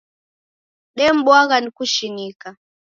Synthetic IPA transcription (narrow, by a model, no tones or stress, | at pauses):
ɗɛm̩ɓwaɣanikuʃinika